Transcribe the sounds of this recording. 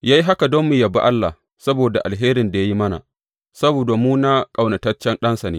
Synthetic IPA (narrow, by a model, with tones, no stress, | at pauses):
jaː˦ji˦ɦa˦ka˨doː˦mːɪ˨jɐ˨ba̰˦ʔa˦lːa̰˨h | sɐ˦boː˨da˨ʔa˨lɦeː˦ɾɪ˨nda˨ja˦ji˦mɐ˦na̰˨ | sɐ˦boː˨da˨muː˦na˦kʼa˨wna˨tɐ˦t͡ʃɛ˦nɗɐ˦nsa˨neː˦